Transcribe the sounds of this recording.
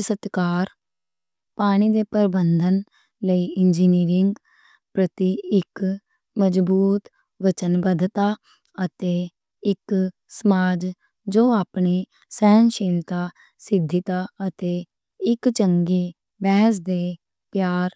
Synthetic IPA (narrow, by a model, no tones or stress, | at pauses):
sət̪kaːɾ | paːɽ̃iːd̪eːpəɾbənd̪ʱən | ləiːɪnd͡ʒiːniːɾɪŋɡ | pɾət̪iɪk | məd͡ʒbuːt̪ | ʋət͡ʃənbəd̪t̪aː | ət̪eː | ɪk | səmaːd͡ʒ | d͡ʒoːaːpɳiː | sɛːnʃiːlt̪aː | sɪd̪ʱːɪt̪aːət̪eː | ɪkt͡ʃəŋɡeː | bɛːsd̪eː | pjaːɾ